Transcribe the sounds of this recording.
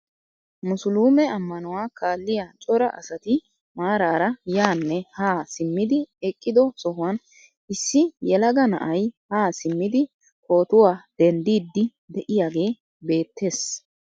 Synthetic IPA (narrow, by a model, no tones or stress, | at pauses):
mʊsʊluːmɛɐmːɐnʊwaːkʰaːlːɪjaːt͡ʃʼɔɾɐʔɐ̰sɐt̪ɪ | maːɾaːɾɐjaːnːɛhaːsɪmːɪd̪ɪɛkʼːɪd̪ɔsɔɦʊwɐn | ɪsːɪjɛlɐɡɐnɐ̰ʔɐjhaːsɪmːɪd̪ɪ | kʰo̞ːt̪ʊwaːd̪̥ɛnd̪iːd̪ːɪ | d̪ɛʔɪjaːɡe̞ː | be̞ːt̪ːe̞ːs